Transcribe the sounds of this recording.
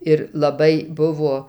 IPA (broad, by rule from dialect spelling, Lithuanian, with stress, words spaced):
ɪr lˠɐˈbɐɪ ˈbʊʋoː